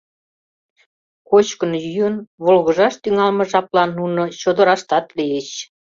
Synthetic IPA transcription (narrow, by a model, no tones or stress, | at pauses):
kot͡ɕkənjyjənβolɣə̆ʒɑʃt̪yŋɑlmɤ̆ʒɑplɑnːunot͡ɕod̪ə̆ɾɑʃt̪ɑt̪lijeɕ